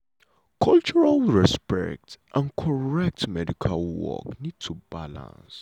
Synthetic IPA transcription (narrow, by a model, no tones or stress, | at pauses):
kʰɔlt͡ʃɔɹalɹɛspɛ̰k̚tʔãnkʰɔɹɛk̚tmɛdikʰalwɔ̰knid̚tʰubalã̰ns